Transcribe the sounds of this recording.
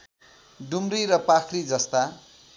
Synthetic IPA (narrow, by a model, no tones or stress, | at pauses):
ɖumriɾʌpakʰrid͡zʌst̪a